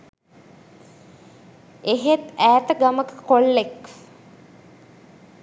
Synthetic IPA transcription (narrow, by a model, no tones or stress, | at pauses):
eɦet̪æːt̪əɡaməkə̥kolːek